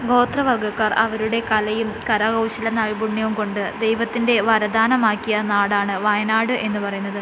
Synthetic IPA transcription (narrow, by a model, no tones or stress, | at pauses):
ɡo̞ːt̪rɐʋɐrɡɐkːaːrɐ̰ʋɐɾuɽe̞kɐlɐjumkɐɾɐɣɐwɕɐlɐnɐɻibuɳjɐʋumko̞ɳɖɨd̪e̞jʋɐt̪ːinde̞ʋɐɾɐd̪aːnɐmaːkːijɐnaːɽaːɳɨʋɐjɐnaːɽɨʔe̞nːɨpɐrɐjunːɐðɨ